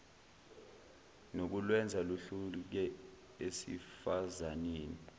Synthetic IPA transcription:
nok̬ulwɛnd͡zʱaluɬuk̬ɛ | esḭfazaniːni

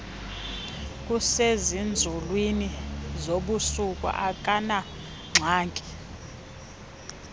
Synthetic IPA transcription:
k̬ʼusezind͡zʱulwinizoɓusuk̬ʼṵʔakʼana | ŋ͡ǁʱaːŋkʼi̥

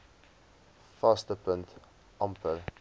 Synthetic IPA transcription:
fastəpəŋt | ʔɐmpəl

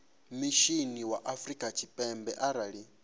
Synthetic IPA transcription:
miʃiniwaʔafɾikʼat͡ʃʰipʼɛmbɛʔaɾaɺi

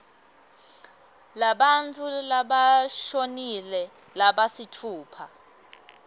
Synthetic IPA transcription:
laɓantʰʼulaɓaʃonilɛ | laɓasitʰuːpʰa

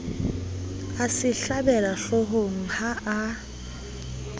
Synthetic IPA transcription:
asɪɬabɛlaɬɔɦoŋ̩haʔa

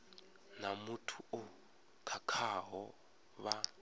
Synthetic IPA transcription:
namutʰuʊ | kʰakʰaɦɔ | βa

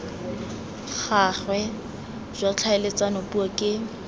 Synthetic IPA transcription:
χaχwɛ | z̥ʷat͡ɬʰaɪlet͡sʼanopʼuakʼɪ

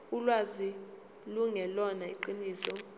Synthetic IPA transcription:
ulwazi | luŋɛlɔnaiǃiniːsɔ

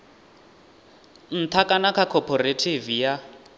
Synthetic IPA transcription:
n̩t̪ʰakʼanakʰakʰɔpʰɔɾetʰivija

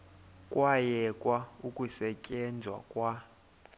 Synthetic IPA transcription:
kʼwajɛkʼwaukʼusɛcʼɛnd͡zʱwa̰kʼwa

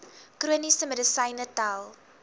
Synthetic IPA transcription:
kruənisəmədəsɐjnətalˠ

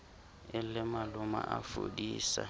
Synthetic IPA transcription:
ɪl̩lɪmalʊma̰ʔafo̰diːsa̰

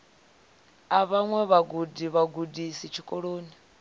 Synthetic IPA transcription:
aβaŋwɛβaɡudiβaɡudisit͡ʃʰikʼɔɺoːni

